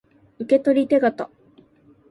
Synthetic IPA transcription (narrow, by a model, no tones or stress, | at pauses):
ɯ̟ke̞t̪o̞ɾʲit̪e̞ɡat̪a